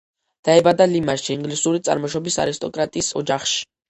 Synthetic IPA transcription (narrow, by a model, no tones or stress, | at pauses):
d̪̥aɛbad̪alimaʃiːŋɡlisuɾit̪sʼa̰ɾmɔʃɔbisa̰ɾist̪ʼɔkʼɾat̪ʼiːsɔd͡ʒaχʃi̥